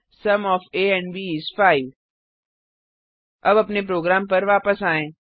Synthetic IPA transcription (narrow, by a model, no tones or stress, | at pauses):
sɐmɔːfeːɛ̃ːɳʋiːsfaːɪʋ | ɐbɐpnep̬ɾoːɡɾaːmpɐɾʋaːpəsaːẽː